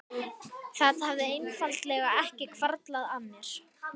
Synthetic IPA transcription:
θaðhavðɪejnfalt̪lɛɣaɛhcɪkʰvaɾt̪laðanːɛɾ̥

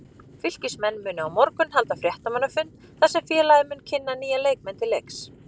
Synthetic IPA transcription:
fʏl̥cɪsmɛnːmʏːnʏawmɔɾkʏnhalt̪afɾjɛht̪amanafʏnː | θasɛmfjɛːlajðɪmʏːncʰɪnːaniːjaleːjk̚mɛnt̪ʰɪlejks

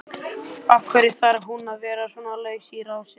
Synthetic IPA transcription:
afkʰvɛɾɪθaɾɦunavɛːɾasɔːnalœːɥsiːɾawsɪ

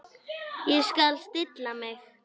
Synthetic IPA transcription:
iʃkalst̪it̪lamex

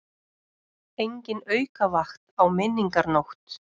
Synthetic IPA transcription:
ejɲcɪnœɥkavaxt̪awmɪnːiŋkaɾnowxt̪

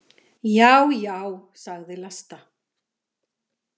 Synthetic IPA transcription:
jaːwjaːwsaɣðɪlast̪a

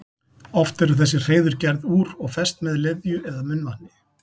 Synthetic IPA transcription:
ɔft̪ɛɾʏθɛs̬ːɪr̥eːjðʏɾcɛɾðuːɾɔɣfɛst̪mɛðlɪðjʏɛðamʏnːvanːɪ

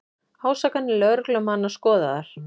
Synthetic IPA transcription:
haːwsakanːɪlœɾklœmanːaskɔːðaðaɾ̥

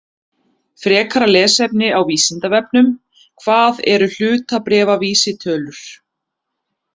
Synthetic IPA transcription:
fɾɛːkʰaɾalɛːsɛpnɪawviːsɪnt̪avɛpnʏm | kʰvaːðɛ̰ɾʏl̥ʏːt̪apɾɛːvaviːsɪt̪ʰœːlʏɾ̥

